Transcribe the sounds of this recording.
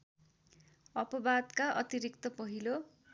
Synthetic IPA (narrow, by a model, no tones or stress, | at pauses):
ʌpʌbad̪kaʔʌt̪iɾik̚t̪ʌpʌɦilo